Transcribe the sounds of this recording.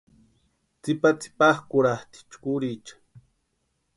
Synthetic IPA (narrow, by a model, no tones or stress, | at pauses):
t͡sipat͡si̥paχkuɾaht̪i̥t͡ʃkuɾit͡ʃḁ